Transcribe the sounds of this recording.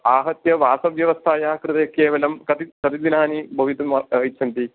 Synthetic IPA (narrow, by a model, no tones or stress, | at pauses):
aːɦɐt̪jɐʋaːsɐʋjɐʋɐst̪ʰaːjaːkrɨd̪ekeːʋɐlɐmkɐt̪ikɐd̪id̪inaːnibʱoʋit̪umɐit͡ɕʰɐnd̪i